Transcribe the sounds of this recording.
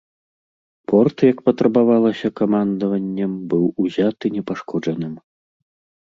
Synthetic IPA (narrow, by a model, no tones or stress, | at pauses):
pɔrt̪jɐkpɐt̪ɾɐbavalˠɐsʲɐkamand̪ɐvɐnʲːɐmbɨwuzʲat̪ɨnʲɛpaʂkɔd͡ʐɐnɨm